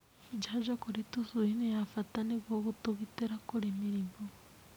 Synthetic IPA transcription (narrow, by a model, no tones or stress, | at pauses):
id͡ʒaʒakoɾitusuinejafataneβwoɣutuβiteɾakuɾemiɾimo